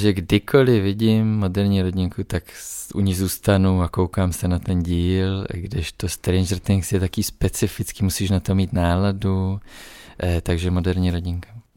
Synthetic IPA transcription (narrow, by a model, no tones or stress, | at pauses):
ʒɛɡdɪkʰo̞lɪvɪɟɪmːo̞dɛɾɲiːɾo̞ɟɪŋkʰut̪akʔṵɲɪxzuːst̪anuakowkaːmsɛnat̪ɛnɟiːlɡdɪʃt̪ost̪ɾɛnʒɛɾt̪ɪŋksjɛt̪akiːspɛt͡sɪfɪt͡skiːmusiːʃnat̪o̞miːt̪naːladu | t̪aɡʒɛmo̞dɛɾɲiːɾo̞ɟɪŋkḁ